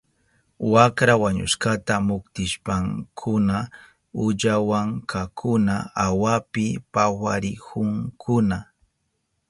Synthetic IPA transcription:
wakɾawaɲʊ̰ʃkat̪amʊkt̪ɪʃpaŋkʰʊna | ʊʎawaŋkʰakʰʊnaawapɪpawaɾɪkʰʊŋkʰʊna

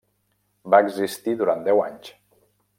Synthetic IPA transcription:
baəɡzist̪iðuɾand̪ɛwaɲs

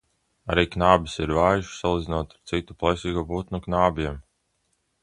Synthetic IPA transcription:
a̰ɾiːknaːbisiɾvaːjuʃsalˠid̪zinoɔt̪aɾt̪sit̪uplˠajsiːɡuːbut̪nuknaːbiɛm

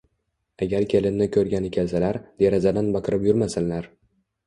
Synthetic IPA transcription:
aɡʲaɾkʲʰe̞lɪnːɪkʲʰɵɾɡʲanekʲʰalsalaɾd̪̥eɾazad̪anbɑqʰɨɾɪpjʊɾmasɪnlaɾ

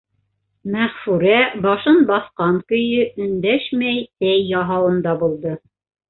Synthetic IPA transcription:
mæʁfʉɾæbɑʃɤnbɑθqɑŋkɵ̆jɵʔɵ̆nd̪æʃmæjt̪æjːɑɦɑwɤ̆nd̪ɑbulˠd̪ɤ

